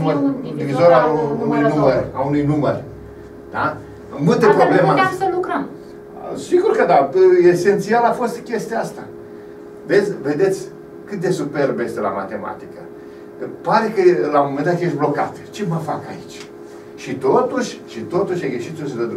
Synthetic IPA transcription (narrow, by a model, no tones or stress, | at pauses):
md̪ivizoɾaunujnuməraunujnumər | d̪̥a | mult̪epɾoblemaasəlukɾəm | siɡurkəd̪aese̞nt̪sialafo̞st̪kʲe̞st̪east̪a̰ | vet̪sʲve̞d̪e̞t̪sʲ | kɨt̪̚d̪e̞supe̞rbjest̪ela̰ma̰t̪e̞ma̰t̪ikə | paɾekəlamome̞nd̪at̪jesʲblo̞ka̰t̪t͡ʃe̞məfa̰ka̰ḭt͡ʃʲ | ʃit̪o̞t̪uʃʲʃit̪o̞t̪uʃʲaɡeʃit̪sosəd̪əd̪